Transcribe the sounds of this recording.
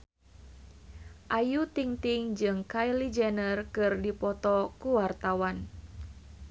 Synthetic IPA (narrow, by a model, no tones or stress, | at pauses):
ʔajut̪iŋt̪iŋd͡ʒɨŋkajlid͡ʒɛnərkɨrdipɔt̪ɔkuwart̪awan